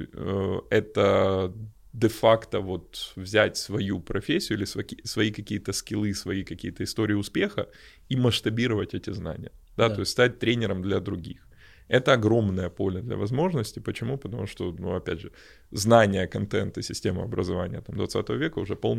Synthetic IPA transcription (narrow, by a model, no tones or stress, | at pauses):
əɛt̪ə | d̪ɛfakt̪əvo̞t̪vzʲætʲsvɐjupɾʔɐfʲesʲːɪjʊilʲɪsvɐisvɐikɐkʲijət̪əskʲɪlˠɨsvɐikɐkʲijət̪əɪst̪o̞ɾʲɪːɪʊspʲe̞xə̰ | iməʂt̪ɐbʲiɾəvətʲɛtʲɪzna̰nʲɪjə | d̪̥at̪o̞ɪsʲtʲst̪at̚ʲt̪ɾʲenʲɪɾəmd̪lʲɐd̪ɾʊɡʲḭx | ɛt̪əɐɡɾo̞mnəjəpo̞lʲəd̪lʲɐ̰vɐzmo̞ʐnəsʲtʲɪpət͡ɕɪmupət̪ɐmuʂt̪onṵɐpʲædʲʐɨ | znanʲɪjəkɐnt̪ɛnt̪ɨsʲɪsʲtʲemɨɐbɾə̰zɐvanʲɪjət̪amd̪vɐt̪sat̪əvəvʲekəʊʐɛpo̞lˠ